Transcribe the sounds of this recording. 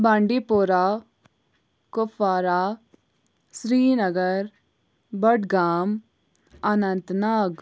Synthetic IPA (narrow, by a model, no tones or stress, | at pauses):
bãɳɖipoːɾaː | kofaːɾaː | sɾiːnɐɡəɾ | bɐɖɡaːm | ɐnɐnt̪naːɡ